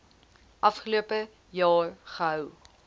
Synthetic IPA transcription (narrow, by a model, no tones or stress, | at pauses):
ʔɐfχəluəpə | jɑːrχəɦœw